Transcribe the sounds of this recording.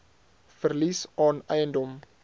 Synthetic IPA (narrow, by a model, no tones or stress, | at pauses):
fərlisɑːnɛjəndɔm